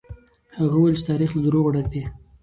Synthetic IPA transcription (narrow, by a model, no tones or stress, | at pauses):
haɣawjlt͡ʃɪ̥t̪ɑɾixlad̪ɾoɣɽad̪i